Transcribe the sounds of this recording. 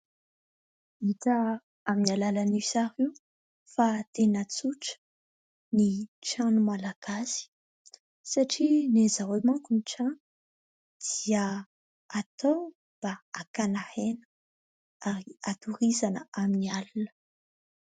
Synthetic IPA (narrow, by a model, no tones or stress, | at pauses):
iʈ͡ʂa | aminalalanisaɾi | fat̪enət͡suʈ͡ʂə̥ | niʈ͡ʂanumalaɡ̥asi̥ | saʈ͡ʂinezawemakuniʈ͡ʂanu̥ | d̪̥iə | at̪o | b̥aakanahenə̥ | aɾiat̪uɾizanəaminialunə̥